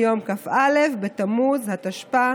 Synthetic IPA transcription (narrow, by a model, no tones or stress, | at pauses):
jo̞mkafale̞fbetamuzhat̪aʃpa